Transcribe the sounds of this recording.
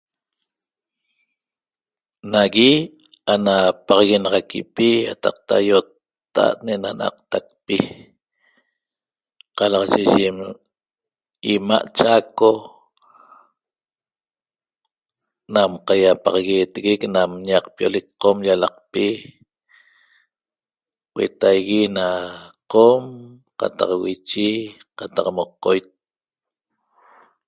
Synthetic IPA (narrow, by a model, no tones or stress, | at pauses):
naɣianapɑʁɑɣenɑʁɑkipija̰t̪ɑq̚t̪a̰jot̪ː | a̰ʔneʔnana̰q̚t̪ak̚pi | qɑlɑʁɑʒeʒiem | imaʔt͡ʃako | namqajapɑʁɑɣeːt̪eɣeknamɲaq̚piolek̚qomʎalɑq̚pi | wḛt̪ajɣinaqom | qa̰t̪ɑ̰qwit͡ʃiqat̪ɑqmoqːojt̪̚